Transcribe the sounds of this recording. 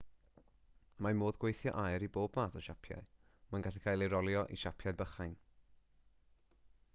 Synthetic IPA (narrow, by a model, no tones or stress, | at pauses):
mamoːðɡwejθjɔ̰ʔajɾiboːbmaːθɔʃapʰja̰ɨ | manɡaɬɛkʰaːjlˠeɾɔlˠjɔʔḭʃapʰjajbəχajn